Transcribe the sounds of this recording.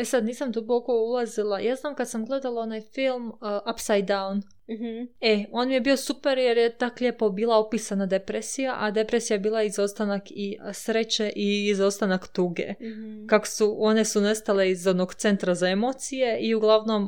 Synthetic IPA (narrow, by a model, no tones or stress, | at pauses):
esad̪niːsamd̪uboko̞ulˠazilˠajʔaːznaːmkad̪samɡle̞d̪alˠao̞najfilˠmʔapsajd̪̚d̪awn | eo̞nmijebio̞supeɾjeɾjet̪aklʲepobiːlˠaopisanad̪e̞pɾesijaʔad̪e̞pɾesijaebiːlˠaizo̞st̪anakisɾet͡ɕe̞ʔiːzost̪anakt̪uːɡḛkako̥suo̞ne̞sunest̪ale̞izod̪noɡt̪se̞nt̪ɾazaemot̪sije̞ʔiuɡlˠaʋno̞m